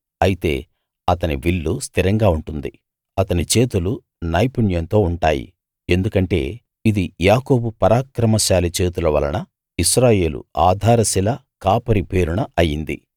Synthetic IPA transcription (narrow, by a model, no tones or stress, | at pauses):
ɐjit̪e̞̰ː | ɐt̪ɐniʋilːust̪ʰiɾɐŋɡaːuɳʈund̪ḭ | ɐt̪ɐnit͡ʃe̞ːt̪ulu | nɐjpuɳjɐnt̪o̞ːuɳʈa̰ːjḭ | e̞nd̪ukɐɳʈe̞̰ː | id̪ijaːko̞ːbupɐɾaːkɾɐmɐʃaːlit͡ʃe̞ːt̪ulɐʋɐ̰lɐ̰nɐ | iʃɾaːje̞ːlṵaːd̪ʱaːɾɐsilɐ | kaːpɐɾipe̞ːɾuɳɐɐjind̪ḭ